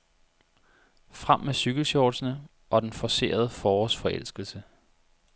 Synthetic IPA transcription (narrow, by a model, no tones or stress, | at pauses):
fʁam̰mesyɡ̥l̩sjɒːd̥sənə | ʔɒ̽d̥enfɒse̝̰ːɐð̞ˠəfɒːsfɒ̽ʔel̰sɡ̥l̩sə